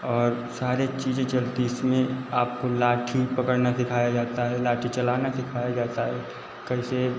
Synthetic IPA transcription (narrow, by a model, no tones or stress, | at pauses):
ɔːɾ | saːɾet͡ʃiːd͡ʒẽt͡ʃɐlt̪iɪsmẽaːp̚kolaːʈʰipɐkəɽnasɪkʰaːjad͡ʒaːt̪aɦɛlaːʈʰit͡ʃɐlaːnasɪkʰaːjad͡ʒaːt̪aɦɛ | kɛɪse